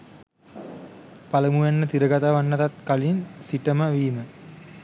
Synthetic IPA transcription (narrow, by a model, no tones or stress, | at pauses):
paləmujanːət̪iɾəɡat̪aʋanːat̪at̪̚kalinsiʈəməʋiːmə